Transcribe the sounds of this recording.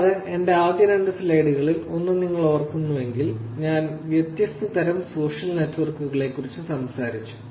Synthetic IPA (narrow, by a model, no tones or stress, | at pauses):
ɐðɨe̞nɖe̞aːd̪ʱjɐɾɐɳɖɐsilejɽuɣɐɭilo̞nːuniŋːɐɭoʋɐrkːunːuʋe̞ŋɡilɲaːnʋjet̪jɐst̪ɐt̪ɐɾɐmso̞ːʂɐlnetːʋɐrkuɣɐɭe̞kːurit͡ɕːɨsɐmsaːɾit͡ɕːu̥